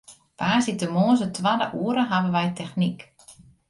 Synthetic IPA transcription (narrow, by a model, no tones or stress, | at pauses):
paːsitəmoːzətʰʋadəʔuːəɾəɦabəʋɛjtʰɛxnik